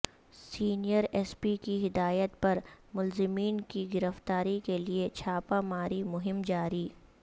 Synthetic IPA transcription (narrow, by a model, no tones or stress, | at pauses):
siːnijəɾɛːspikiɦɪd̪aːjət̪pɐɾmʊlzɪmiːnkiɡɪɾəft̪aːɾikeliet͡ʃʰaːpamaːɾimʊɦɪmd͡ʒaːɾiː